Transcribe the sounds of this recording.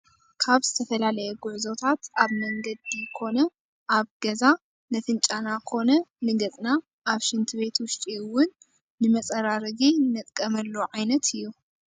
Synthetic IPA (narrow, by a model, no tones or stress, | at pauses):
kʰaβz̥ɨt̪ʰɐfɐlalɐjɛɡʊʕzo̞t̪ʰat̪aβmɐŋɡɐd̪ikʰo̞nɐ | ʔaβɡɐza | nɐt̪ʰɨnt͡ʃʼanakʰo̞nɐnɨɡɐt͡sʼna | ʔːβʃɪnt̪ʰɨβe̞t̪wʊʃt̪ʼiɨwːʊnː | ɨmɐt͡sʼɐɾaɾɐɡinɐt̪ʼkʼɐmɐlːoʕajnɐt̪ʰɨjːu